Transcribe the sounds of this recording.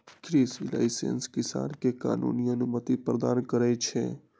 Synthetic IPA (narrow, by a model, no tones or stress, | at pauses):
kɾisila̰jsḛnskɪsa̰nkekaːnṵniənumət̪ipɾəd̪ankəɾɛt͡ʃʰḛ